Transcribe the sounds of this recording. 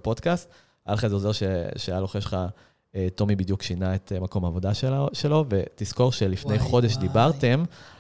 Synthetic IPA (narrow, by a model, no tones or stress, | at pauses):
po̞d̪kast̪ | ʔa̰lχazeozeʁʃeʃeajaloχeʃχa | et̪o̞mibid̪jukʃinaet̪emako̞maːvo̞d̪aʃeʃe̞lo̞ve̞t̪isko̞ʁʃelifne̞jχo̞d̪e̞ʃd̪ibaʁte̞m